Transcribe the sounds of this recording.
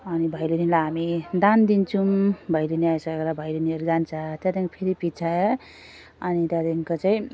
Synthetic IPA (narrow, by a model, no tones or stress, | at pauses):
ʌnibʱajlenilajɦamid̪and̪int͡sʰumbʱʌjleniajsʌkeɾʌbʱajlenieɾd͡zant͡sʰat̪jad̪iŋpʰeɾipit͡sʰae | ʌnit̪jad̪iŋkot͡saĩ